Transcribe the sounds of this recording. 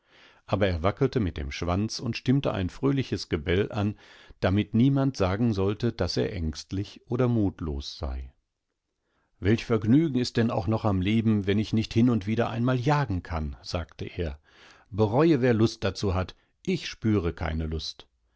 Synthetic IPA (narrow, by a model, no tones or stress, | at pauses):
ʔaːbɐeːɐvakl̩təmɪt̚d̥ḛːmʃv̥ant͡sʊntʃtɪmtə̰ʔa̰ɪnfʁ̥øːlɪçəsɡ̥əbɛlʔa̰nd̥amɪtniːmantz̥aːɡŋ̩zɔltəd̥asḛːɐʔɛŋstlɪçʔoːdɐmuːtlo̰ːsz̥a̰ɪ | vɛlçfɛɐɡnyːɡŋ̩ɪst̚d̥ɛnaʊxnɔχamleːbm̩vɛnɪçnɪçthɪnʊntv̥iːdɐʔa̰ɪnmaːljaːɡŋ̩kʰanz̥aːktəʔeːɐ | bəʁɔʏəveːɐlʊst̚d̥at͡suːɦat | ʔɪçʃpyːʁəkʰa̰ɪnəlʊst